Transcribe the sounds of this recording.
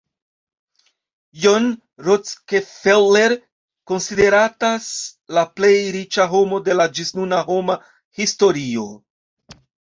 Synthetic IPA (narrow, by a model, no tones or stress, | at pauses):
jon | ɾot͡skefelːeɾ | ko̞nside̞ɾataslaple̞jɾit͡ʃaɦo̞mo̞de̞lad͡ʒisnunaɦo̞ma | histo̞ɾio̞